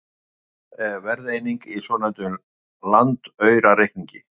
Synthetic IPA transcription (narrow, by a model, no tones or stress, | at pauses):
vɛɾðejniŋkisvɔːnajt̪ʏm | lant̪œɥɾaɾehkniɲcɪ